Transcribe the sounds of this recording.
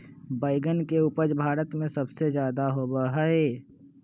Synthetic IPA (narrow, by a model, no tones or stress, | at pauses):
baːɪɡənkeʊpəd͡ʒbʱaːɾət̪mẽsəbsed͡ʒjaːd̪aɦobəɦəe